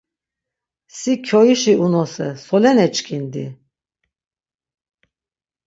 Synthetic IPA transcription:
sikʰɔiʃiʔunɔsɛsɔlɛnɛt͡ʃkʰind̪ḭ

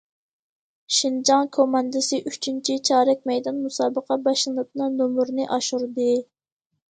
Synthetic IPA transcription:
ʃind͡ʒɑŋkʰomɑnd̪ɨsɨʔyt͡ʃʰynt͡ʃʰit͡ʃʰɑːɾɛk̚ʲmɛjd̪ɑnmusɑːbəqɑbɑʃlˠɨnɨp̚nɨŋnomuɾnɨʔɑʃuɾd̪ɨ

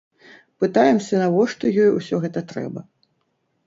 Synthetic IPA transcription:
pɨt̪ajɛmsʲɐnɐvɔʂt̪ɔjɔjusʲɔɣɛt̪ɐt̪ɾɛ̰bɐ

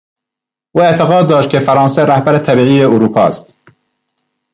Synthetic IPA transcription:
ʔuːet̪ʰeɣɑːd̪̚dːɒːʃt̪̚kʰʲefæɾɑːnseɾæhbæɾet̪ʰæbiːiːjeuɾuːpʰɒ̰ːst̪

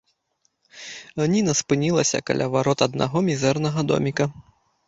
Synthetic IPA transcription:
ɣnʲinɐspɨnʲilˠɐsʲɐ̰ka̰lʲʔavaɾɔt̪ɐd̪̚na̰ɣɔmʲizɛrnɐɣɐd̪ɔ̰mʲikɐ

